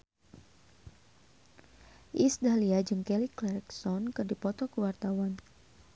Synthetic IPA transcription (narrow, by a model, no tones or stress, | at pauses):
ʔisdaliad͡ʒɨŋkɛliklɛɾɛksɔnkɨrdipɔt̪ɔkəwart̪awan